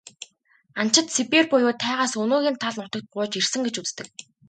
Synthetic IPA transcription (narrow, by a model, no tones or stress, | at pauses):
an̥t͡ɕɪ̆t̪sipirpʊjʊːt̪ʰːæːʁaːsɵnoːɣʲiːnt̪ʰaɮnʊt̪ə̆k̚t̪̚ɢʊːt͡ɕirsɘ̆ŋɡet͡ɕut͡st̪ɘ̆k̚